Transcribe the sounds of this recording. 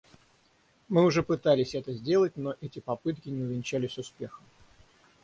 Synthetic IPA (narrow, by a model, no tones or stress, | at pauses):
mɨʊʐɛpɨt̪alʲɪsʲɛt̪əzʲdʲe̞lˠətʲnoʔɛtʲɪpɐpɨt̪kʲɪnʲɪʊvʲɪnʲt͡ɕælʲɪsʲʊspʲe̞xəm